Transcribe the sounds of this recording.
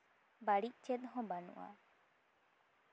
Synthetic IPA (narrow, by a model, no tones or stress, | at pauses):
baɽic̚t͡ʃɛt̪̚ˀɦɔ̃banṵʔa̰